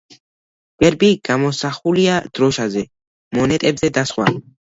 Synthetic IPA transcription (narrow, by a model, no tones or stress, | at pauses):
b̥ɛɾbiɡ̥amɔsaχuliad̪̥ɾɔʃazɛ | mɔnɛt̪ʼɛbzɛd̪asχwa̰